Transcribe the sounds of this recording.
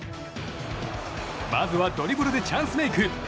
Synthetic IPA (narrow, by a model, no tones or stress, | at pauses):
mazɨβad̪oɾʲibɯɾod̪et͡ɕʰãnsɨmeikʰɯ